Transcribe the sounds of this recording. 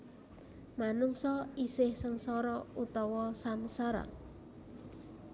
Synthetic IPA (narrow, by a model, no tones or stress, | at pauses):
manuŋsɔisɪhsəŋsɔɾɔut̪ɔwɔsamsaɾa̰